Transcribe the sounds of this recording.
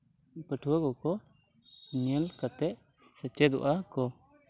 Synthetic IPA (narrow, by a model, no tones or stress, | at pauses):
pəʈʰuwaɡɔkɔ | niəlkat̪ɛʔ | sət͡ʃɛd̪ɔ̰ʔakɔ